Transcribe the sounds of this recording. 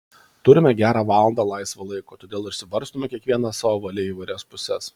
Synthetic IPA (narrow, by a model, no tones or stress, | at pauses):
t̪ʊɾʲɪmʲɛɡʲæːɾɑːʋɑːlˠɐnd̪ɑːlˠɐɪsʋɐlˠɐɪkoːt̪oːd̪ʲeːlˠɪɾʃʲsʲɪʋɐɾʲst̪omʲɛkʲiɛkʋʲiɛnɐssɑːʋoːʋɐlʲɪiːʋɐɪɾʲɛspʊsʲɛs